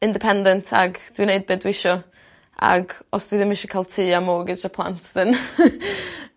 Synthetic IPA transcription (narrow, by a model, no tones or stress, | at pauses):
ɪndɪpʰɛndɛntʰa̰ɡd̥winejd̚bɪdwɪʃɔ | a̰ɡɔsd̥wiðɪmɪʃɔkʰaːlˠtʰiːamɔːɡɪt͡ʃapʰlˠa̰ntʰðɪn